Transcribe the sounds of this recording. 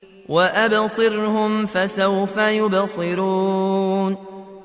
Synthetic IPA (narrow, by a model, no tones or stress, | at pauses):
waʔabsˤɨɾhʊmfasawfajʊbsˤɨɾuːn